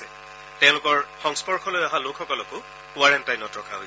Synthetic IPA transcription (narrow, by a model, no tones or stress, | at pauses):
ɛ | tɛ̃ʊ̃lʊkɔɹxɔŋspɔɹxʰɔlojaɦalokʰxɔkɔlɔkʊ | kʊwaɹɛntajnɔtɹɔkʰaɦo